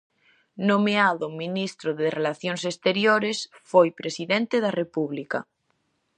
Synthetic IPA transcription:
nomeaðʊmĩnist̪ɾoðerelaθjoŋsest̪eɾjoɾesfojpɾesiðɛnt̪eðarepuβlika

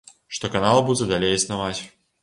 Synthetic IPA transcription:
ʂt̪ɔkanalˠbud͡zʲɛd̪alʲejisnavat͡sʲ

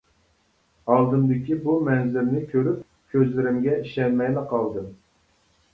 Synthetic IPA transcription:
ɑlˠd̪ɨmd̪ɪkʲibumɛnzɪɾnɪkʲʰøɾyp̚ | kʲʰøzlɪɾɪmɡʲɛiʃɛnmɛjlɨqʰɑlˠd̪ɨm

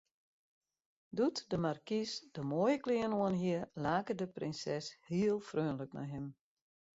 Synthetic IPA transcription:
dutdəmarkisd̥əmoːjəklɪənoənɦiəlaːkədəprɪnsɛshiəlˠfrøːnləkna̰jɦɪm

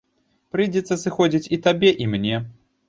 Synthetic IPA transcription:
pɾɨjd͡zʲɛt̪sːɐsɨxɔd͡zʲit͡sʲit̪abʲɛʔimnʲɛ

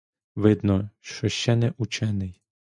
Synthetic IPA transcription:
ʋɪd̪nɔʃt͡ʃɔʃt͡ʃɛnɛʔut͡ʃɛnɪj

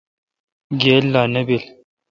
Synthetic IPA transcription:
ɡelːanəbil

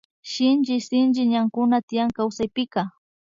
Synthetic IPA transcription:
ʃɪnt͡ʃɪsɪnt͡ʃɪɲaŋkʊnat̪ɪjaŋkawsajpɪka

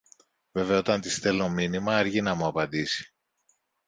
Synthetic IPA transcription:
ve̞veɐo̞t̪ɐnt̪ist̪e̞lo̞minimɐɐɾʝinɐmuɐpɐnd̪isi̥

